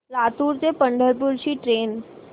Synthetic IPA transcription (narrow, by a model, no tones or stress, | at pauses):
lat̪uːɾt͡sepəɳɖʱəɾpulɕiːʈɾen